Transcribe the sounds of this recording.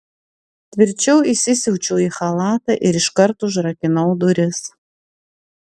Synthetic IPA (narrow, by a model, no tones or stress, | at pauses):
t̪ʲʋʲɪɾʲt͡ʃʲɛʊɪsʲɪsʲɛʊt͡ʃʲɛʊiːxɐlˠɑːt̪ɐʔɪɾɪʃkɐɾt̪ʊʒɾɐkʲɪnɐʊd̪ʊɾʲɪs